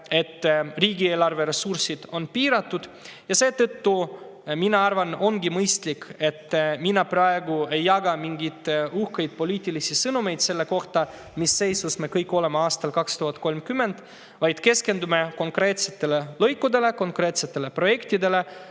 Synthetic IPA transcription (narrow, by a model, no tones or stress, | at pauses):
e̞t̪ːriːɡieːlɑrve̞ɾe̞sursid̪̥o̞npiːɾɑt̪ːud̪̥ | jɑse̞ːt̪ɤt̪ːu | minɑɑrvɑno̞ŋɡimɤjst̪like̞t̪ːminɑprɑe̞ɡue̞jːɑɡɑmiŋɡit̪uhkejd̪̥̚po̞lʲiːt̪ʲːˑilisisɤnume̞jd̪̥se̞lːe̞ko̞ht̪ɑ | misːe̞jsusme̞kɤjkːˑo̞lemeɑːst̪ɑlkɑkst̪uɦɑt̪̚ːˑko̞lmkymːe̞nd̪̥ | vɑjd̪̥ke̞ske̞nd̪ume̞ko̞ŋkre̞ːt̪set̪ːe̞lelɤjkːud̪e̞le̞ko̞ŋkɾe̞ːt̪se̞t̪ːe̞le̞pro̞je̞kt̪id̪e̞le̞